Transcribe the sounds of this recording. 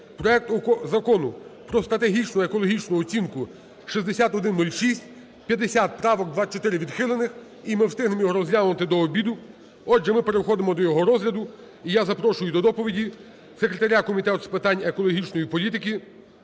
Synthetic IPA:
pɾɔɛk̚t̪ɔkɔzɐkɔnʊpɾɔst̪ɾɐt̪eɦʲit͡ʃnʊekɔlˠɔɦʲit͡ʃnʊɔt͡sʲinkʊ | ʃizd̪esʲat̪ɔd̪ɪnːulʲʃisʲt̚ʲ | pʲjɐd̪esʲat̪̚pɾɑʋɔkd̪ʋat͡ʃɔt̪ɪɾɪʋʲid̪xɪlˠenɪx | imɪwst̪ɪɦnɪmjɔɔɾɔzlʲamnɐt̪ɪd̪ɔːbʲid̪ʊ | ɔʒɛmɪpe̞ɾexɔd̪emɔd̪ɔjɔɦɔɾɔzlʲɐd̪ʊ | ijazɐpɾɔʃʊjʊd̪ɔd̪ɔpɔʋʲidʲi | sekɾet̪ɐɾʲakɔmʲit̪ɛt̪ʊspɪt̪ɑnʲekɔlˠɔɦʲit͡ʃnɔjipɔlʲit̪ɪkʲi

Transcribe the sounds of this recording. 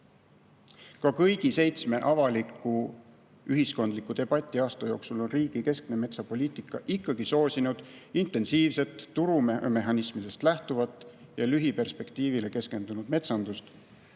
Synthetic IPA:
kɑkɤjɡ̥ise̞jt̪sme̞ʔɑvɑlikːˑu | yɦisko̞nd̪likːˑut̪e̞b̥ɑt̪ʲˑːiɑːst̪ɑjo̞ːksulo̞nriːɡ̥ike̞skne̞me̞t̪sɑpo̞lʲiːt̪ˑikːˑɑʔikːɑɡiso̞ːsinud̪̥int̪ˑːe̞nsiːvse̞t̪ːuɾumme̞ɦɑnismid̪̥e̞st̪læht̪uvɑt̪ˑː | jɑlyɦipe̞rspe̞kt̪iːvile̞ke̞ske̞nd̪unud̪me̞t̪sɑnd̪̥ust̪

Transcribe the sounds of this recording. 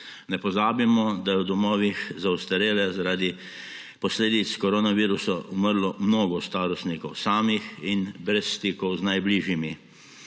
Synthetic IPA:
nɛpɔzaːbimɔd̪ajɛwd̪ɔmɔːʋixzaust̪ɐɾeːlɛzaɾaːd̪i | pɔsleːd̪it̪skɔɾoːnaʋiːɾusɔuməɾlɔmnoːɡɔst̪aːɾɔst̪nikɔwsaːmixinbɾɛsːt̪iːkɔwznajbliːʒjimi

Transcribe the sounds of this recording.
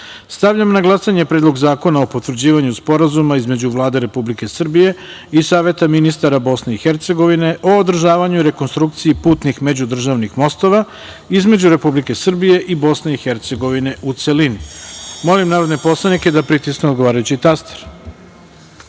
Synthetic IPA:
st̪aʋʎamnaɡlˠasaɲe̞pɾed̪lˠo̞ɡzaːko̞nao̞po̞t̪ʋɾd͡ʑiːʋaɲuspo̞ɾazumaizme̞d͡ʑuʋlˠaːd̪e̞ɾe̞publike̞sr̩bije̞ | isaːʋe̞t̪aminist̪aɾabo̞sne̞ixe̞ɾt̪se̞ɡo̞ʋine̞ʔo̞ːd̪r̩ʒaːʋaɲuiɾe̞ko̞nst̪ɾuk̚t̪siipuːt̪nixme̞d͡ʑud̪r̩ʒaʋnixmo̞st̪o̞ʋa | izme̞d͡ʑuɾe̞publike̞sr̩bije̞ʔibo̞sne̞ixe̞ɾt̪se̞ɡo̞ʋine̞ʔut̪se̞linimo̞limnaːɾo̞d̪ne̞po̞slˠanike̞d̪apɾit̪iskneo̞d̪ɡoʋaːɾajut͡ɕit̪ast̪e̥ɾ

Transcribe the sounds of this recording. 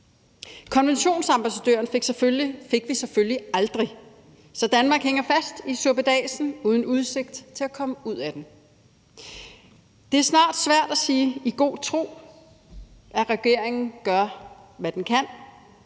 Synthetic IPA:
kʰɒ̽nʋenɕo̝̰ːnsɑ̈mb̥æsæd̥ø̰ɐnfe̝ɡ̥seføife̝ɡ̥ʋisefølliɑ̈ld̥ʁi | sɒ̽d̥ænmɑ̈ːɡ̥heŋɐfæsd̥isuɐb̥əd̥ɛ̰ːsn̩uːð̞ˠn̩uð̞ˠse̝ɡ̥̚d̥t͡sʰe̝lækʰɒ̽məuð̞̰ˠæd̥em | d̥e̝æɐsnɑ̰̈ːd̥sʋæɐ̰d̥æsiːiɡ̥o̝̰ːt͡sʰʁo̝̰ː | ʔæʁɛɡ̥e̝ɐ̰eŋn̩ɡ̥ɶɐʋæd̥enkʰæn̰

